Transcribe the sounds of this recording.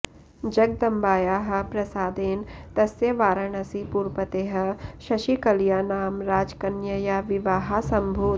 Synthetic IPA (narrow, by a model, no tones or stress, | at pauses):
d͡ʒɐɡ̚d̪ɐmbaːjaːɦɐ̆pɾɐsaːd̪eːnt̪ɐsjɐʋaːɾɐɳɐsipuːɾpɐt̪eːɦɐ̆ʃɐʃikɐljaːnaːmɾaːd͡ʒkɐnjɐjaʋɪʋaːɦasɐ̃mbʱoː